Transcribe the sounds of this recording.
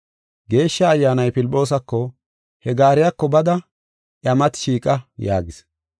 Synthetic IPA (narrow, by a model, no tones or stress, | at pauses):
ɡe̞ːʃːɐːjːaːnɐjpɪlɪpʼːo̞ːs̬ɐkːɔ | hɛɡaːɾɪjaːkːɔbɐd̪ɐ | ʔjɐmɐt̪ʃiːkʼɐja̰ːɡɪs